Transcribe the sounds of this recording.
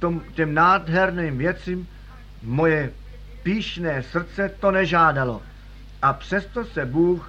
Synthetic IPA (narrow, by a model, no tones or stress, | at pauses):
omcɛmnaːdɦɛɾniːmvjɛt͡simː | o̞jɛ | piːʃnɛːsr̩t͡sɛt̪o̞nɛʒaːdalo̞ | ʔapr̝̥ɛst̪o̞sɛbuːx